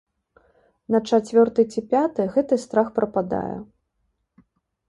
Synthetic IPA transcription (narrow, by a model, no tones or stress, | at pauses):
nɐt͡ʂat͡sʲvʲɔrt̪ɨt͡sʲipʲat̪ɨɣɛt̪ɨst̪ɾaxpɾɐpad̪a̰jɛ̰